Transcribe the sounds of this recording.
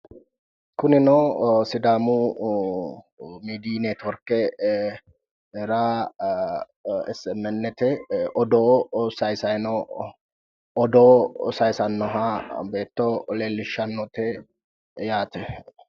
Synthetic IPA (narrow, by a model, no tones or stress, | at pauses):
kʊnɪnɔsɪd̪aːmʊ | miːd̪iːneːt̪wɔɾkːɛ | ɛɾa | ɛsɛmːɛnːɛt̪ɛʔɔd̪oːsɐjsɐjnɔ | ɔd̪ɔːsɐjsɐnːɔɦabe̞ːt̪ːɔleːlːɪʃːɐnːɔt̪ɛ | jaːt̪ɛ